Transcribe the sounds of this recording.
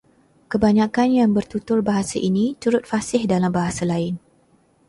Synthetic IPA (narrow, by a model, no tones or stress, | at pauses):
kəbaɲãkanjaŋbərt̪ut̪ʊrbaɦasaʔinĩt̪uɾʊt̪̚fasɪhdalambaɦasalaɪn